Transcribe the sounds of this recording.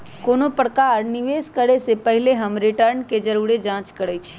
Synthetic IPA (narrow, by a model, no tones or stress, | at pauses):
koːnopəɽkaɾniʋeːskəɾesepəɦɪleɦəmɾiʈəɾnked͡ʒəɾuɽed͡ʒãːt͡ʃkəɽət͡ʃʰ